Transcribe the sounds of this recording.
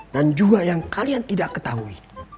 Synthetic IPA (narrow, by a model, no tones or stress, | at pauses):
dand͡ʒuɡajaŋkaliant̪idakːət̪aɦuḭ